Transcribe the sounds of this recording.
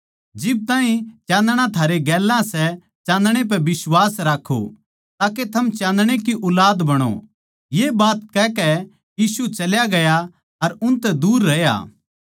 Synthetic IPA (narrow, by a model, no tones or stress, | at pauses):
d͡ʒɪb̚t̪aːɦĩt͡ʃãːnd̪ɽ̃ãt̪ʰaːɾeɡɛːlːãsɛ | t͡ʃãːnd̪ɽ̃ep̬ɛbɪswaːsɾaːkʰo̰ | t̪aːket̪ʰɐmt͡ʃãːnd̪ɽ̃ekiʔʊlaːd̪bɐɽ̃o̰ | jebaːt̪kɛkɛ | jiːsut͡ʃɐljaɡɐja | ɐɾʊnt̪ɛd̪uːɾːɐja̰ː